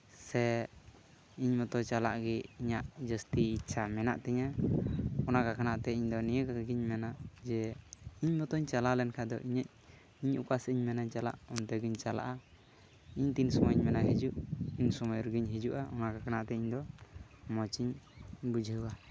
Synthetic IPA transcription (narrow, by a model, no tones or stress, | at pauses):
sɛ | iɲmɔt̪ɔt͡ʃala̰ʔɡɛiɲaʔd͡ʒəst̪iːt͡ʃʰamɛna̰ʔt̪ɛɲa | ɔnakakanaʔt̪ɛiɲd̪ɔnijəkaɡiɲmɛnaʔd͡ʒɛiɲmɔt̪ɔɲt͡ʃalalɛnkʰad̪ɔ̰ʔiɲac̚ | iɲukasiɲmɛnaɲt͡ʃala̰ʔɔnt̪ɛɡiɲt͡ʃala̰ʔa | iɲt̪insɔmɔɲmɛnaɦid͡ʒuʔiɲsɔmɔjɾəɡiɲɦid͡ʒuʔaʔɔnakakanaʔt̪ɛiɲd̪ɔmɔt͡ʃiɲbud͡ʒʱəwa